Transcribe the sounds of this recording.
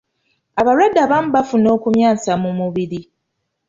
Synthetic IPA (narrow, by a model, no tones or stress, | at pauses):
aβaɾwadːaβamubafuno̞ːkumjaːsamumuβiɾi